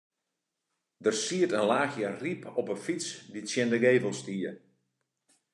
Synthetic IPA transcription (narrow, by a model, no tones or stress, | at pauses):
dərsiətənlaːxjəripʰɔpənfit͡sditsjɛndəɡeːvəlˠstiːə